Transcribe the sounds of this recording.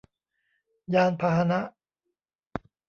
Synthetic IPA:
jaː˧npʰaː˧ɦa˧na˦˥ʔ

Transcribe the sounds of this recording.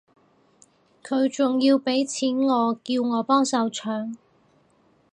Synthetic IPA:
kʰɵ˨˧ɥt͡sʊ˨ŋjiː˧wpe˨˥jt͡sʰiː˨˥nŋɔː˨˧kiː˧wŋɔː˨˧pɔː˥ŋsɐ˨˧wt͡ʃʰœː˨˧ŋ

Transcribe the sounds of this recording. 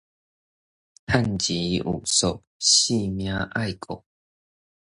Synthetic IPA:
t̪ʰa˥˨nt͡ɕi˨˦ṵ˨˩so˨˩ʔ̚ | ɕi˥˧mjã˦ʔa˥˨jkʰo̰˨

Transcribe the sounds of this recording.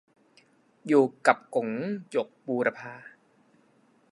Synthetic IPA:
juː˨˩ka˨˩p̚ko˨˩˦ŋjo˨˩k̚buː˧ɾa˧pʰaː˧

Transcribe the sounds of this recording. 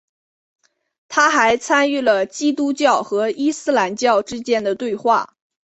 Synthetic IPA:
t̪ʰa˥xa˧˥ɪt͡sʰa˥ny˥˩lə˩t͡ɕi˥t̪u˥t͡ɕjɑ˥˩ʊxɤ˧˥i˥sɹ̩˥la˧˥nt͡ɕjɑ˥˧ʊʈ͡ʂɻ̩˥t͡ɕjɛ˥˩nd̪ə˩t̪we˥˧ɪxwa̰˥˩

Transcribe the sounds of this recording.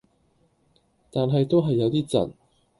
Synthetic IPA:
t̪aː˨nɦɐ˨jt̪o˥wɦɐ˨jːɐ˨˧wt̪iː˥t͡sɐ̰˨˩n

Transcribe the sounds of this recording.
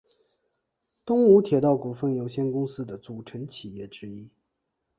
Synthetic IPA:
t̪ʊ˥ŋu˧˥t̪ʰjɛ˨˩t̪ɑ˥˩ʊku˨˩fə˥˩njo˧˥ʊɕjɛ˥nkʊ˥ŋsɹ̩˥d̪ə˨t͡su˨˩ʈ͡ʂʰə˧˥nt͡ɕʰi˨˩jɛ˥˩ʈ͡ʂɻ̩˥i˥

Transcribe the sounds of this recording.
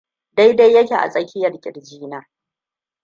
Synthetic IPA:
da˦jda˦jːɐ˦kʲeː˨ʔa̰˨sʼɐ˦kʲɪ˦jɐ˨rkʲʼɪ̰˨rd͡ʒiː˦naː˦

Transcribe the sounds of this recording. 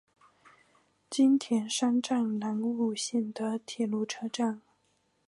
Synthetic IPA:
t͡ɕi˥nt̪ʰjɛ˧˥nʂa˥nʈ͡ʂa˥˩nna˧˥nu˥˩ɕjɛ˥˩nd̪ə˨t̪ʰjɛ˨˩lu˥˩ʈ͡ʂʰɤ˥ʈ͡ʂa˥˩n

